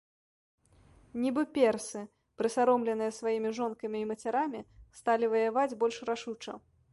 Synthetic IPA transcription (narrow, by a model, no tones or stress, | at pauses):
nʲibɨpʲɛrsɨ | pɾɨsaɾɔmlʲɛnɨjɐsvajimʲiʐɔnkɐmʲiːmɐt͡sʲaɾamʲist̪alʲivɐjavad͡zʲbɔlʲʂraʂut͡ʂɐ̰